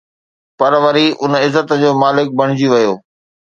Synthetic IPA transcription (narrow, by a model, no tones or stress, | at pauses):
pɐɾʋɐɾiʔʊnɪzət̪d͡ʑoːmaːlɪk̚bɐɽ̤̃ɪd͡ʑiʋɐjoː